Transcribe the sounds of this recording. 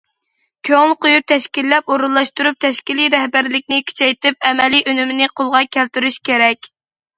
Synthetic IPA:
kʲʰøŋlˠqojup̚t̪ʰɛʃkʲilːɛpoɾulˠɑʃt̪uɾup̚t̪ʰɛʃkʲiliɾɛhbæɾlɪk̚ʲnɪkʲʰy̥t͡ʃʰɛjt̪ɪp̚ɛmɛliʔønymɪnɪqʰolˠʁɑkʲʰælt̪yɾyʃkʲeɾɛkʲ

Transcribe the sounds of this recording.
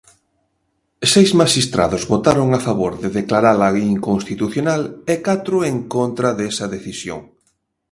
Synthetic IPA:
sejzmaʃist̪ɾa̰ðʊzβot̪aɾoŋafaβoɾðɪðeklaɾalaɣiŋkoŋst̪it̪uθjonalekat̪ɾʊeŋkont̪ɾɐðɛsɐðeθisjo̰ŋ

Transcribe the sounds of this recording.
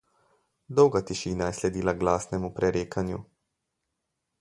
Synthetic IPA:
d̪ɔwɡat̪iʃiːnajɛslɛd̪iːlaɡlaːsnɛmupɾɛɾeːkʰanjṵ

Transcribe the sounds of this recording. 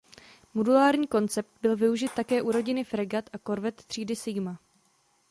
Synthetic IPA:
modulaːɾɲiːko̞nt͡sɛp̚t̪̚bɪlvɪuʒɪt̪ːakɛːʔuɾo̞ɟɪnɪfɾɛɡat̪ʔako̞ɾvɛt̪ːr̥iːdɪsɪɡma

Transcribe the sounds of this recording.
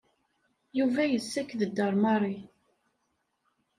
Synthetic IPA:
juvæjəsːækðəd̪ːɑɾˤmɑɾˤi

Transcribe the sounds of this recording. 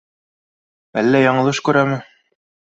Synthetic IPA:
ælːæjɑɴɤ̆lˠɤʃkʉɾæmɘ

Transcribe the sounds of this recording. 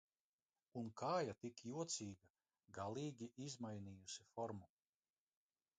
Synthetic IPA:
unkʰaːjat̪ikjuɔt̪sʲiːɡa | ɡalˠiːɡʲiʔizmajniːjusifɔɾmu

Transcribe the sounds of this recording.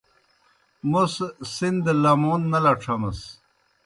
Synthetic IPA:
mussind̪lɐmoːnːɐlɐʈ͡ʂʰɐmɐs

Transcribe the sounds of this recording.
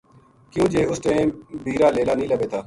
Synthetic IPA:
kjũːd͡ʒeːʊsʈẽːbiːɾaːleːlaːnəɦĩːləbeːt̪ʰaː

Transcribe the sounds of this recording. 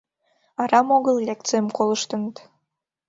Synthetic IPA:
ɑɾɑmoɣəllʲek̚t̪t͡seəmkoləʃt̪ənət̪

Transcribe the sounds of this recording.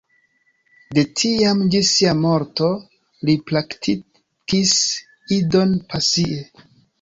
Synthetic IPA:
de̞tʰiamd͡ʒisiamo̞ɾto̞ | liplaktʰi | kis | ido̞npasie

